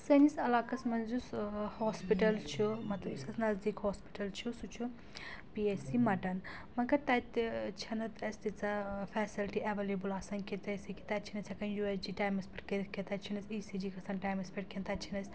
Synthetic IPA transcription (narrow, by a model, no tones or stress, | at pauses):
sɐnisɐlaːkɐsmɐnzushoːspiʈɐlt͡ʃʰumɐt̪lɐbisɐsnɐzd̪ikhoːspi̥ʈɐlt͡ʃʰusut͡ʃʰu | piesimɐʈɐn | mɐkɐɾt̪ɐt̪t͡ʃʰɐnɐt̪ɐsʲt̪it͡safʰɛːsilʈiʔɐʋelebulaːsɐnket̪ɐsiki̥t̪at͡ʃʰinɐt͡sʲʰɐkɐnjuesd͡ʒiːʈaːjmɐspʰʲɐʈkeket̪ɐt͡ʃʰinɐsʲiːsid͡ʒiːkɐsanʈaːjmɐspeʈkʰent̪ɐt͡ʃʰinɐsʲ